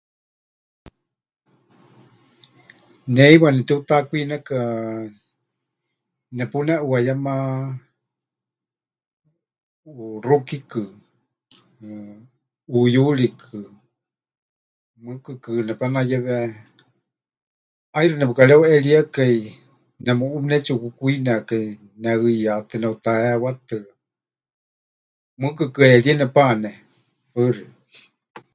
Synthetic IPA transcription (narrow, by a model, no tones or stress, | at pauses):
nɛiwanɛt̪ɛut̪akʷinɛka | nɛpunɛʔuajama | rukikɨ | ujulikʰɨ | mɨkɨkɨnɛpanajɛβɛ | ajɾɨnɛpɨkalɛwɛliakai | nɛmuumnɛt͡ʃiukɨkuinɛka | nɛɨjat̪ɨnɛut̪aɛwat̪ɨ | mɨkɨkɨɛliɛnɛpanɛ | pəɾi | i̥